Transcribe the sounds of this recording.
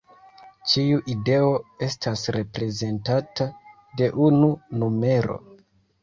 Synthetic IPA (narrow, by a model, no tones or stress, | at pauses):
t͡ʃiuʔide̞o̞e̞stasɾe̞pɾe̞ze̞ntata | de̞ʔununume̞ɾo̞̰